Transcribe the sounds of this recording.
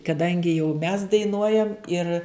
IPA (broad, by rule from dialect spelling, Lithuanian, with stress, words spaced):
kɐˈdɐŋʲɡʲɪ jɛʊ mʲɛs dɐɪˈnuɔjɛm ɪr